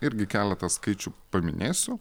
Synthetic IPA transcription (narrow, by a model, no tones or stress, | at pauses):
ɪɾʲɡʲɪkʲæːlʲɛt̪ɐskɐɪt͡ʃʲʊpɐmʲɪ̰nʲʔeːsʲʊ